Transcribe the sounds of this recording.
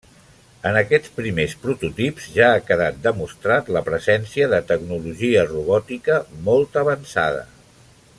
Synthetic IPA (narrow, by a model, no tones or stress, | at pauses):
ənəkɛt͡spɾimespɾut̪ut̪ipz̥ʒaːkəðat̪̚d̪əmust̪ɾat̪ləpɾəzɛnsiəðət̪əɡnuluʒiəruβɔt̪ikəmolˠt̪əβənsa̰ð̞ə̰